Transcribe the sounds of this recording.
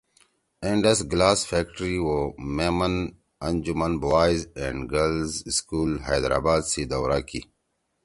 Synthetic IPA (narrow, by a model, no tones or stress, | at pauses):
ẽɳɖɐsɡlaːsfeːk̚ʈɾiwomemɐn | ɐ̃nd͡ʑumɐnbaːjzẽɳɖɡəlzskuːlɦajd̪ɾa̰ːbaːd̪sid̪ɐwɾaːkʰḭ